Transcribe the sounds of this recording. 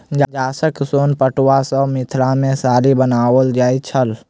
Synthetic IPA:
d͡ʒd͡ʒaːsəksoːnpəʈwasəmɪt̪ʰɾãmẽsaːɾibənaːwəld͡ʒaːit͡ʃʰəl

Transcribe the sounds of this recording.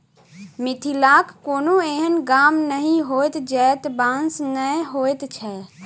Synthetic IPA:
mit̪ʰilakːoːnoeɦənɡamnəɦĩɦojt̪d͡ʒɛt̪bãnsnəjɦojt̪t͡ʃʰɛ

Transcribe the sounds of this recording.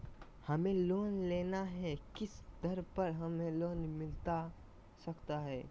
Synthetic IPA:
hɐmẽloːnleːnaɦɛkɪsd̪ɐɾpɐɾɦɐmẽloːnmɪlt̪a | sɐkt̪aɦɛː

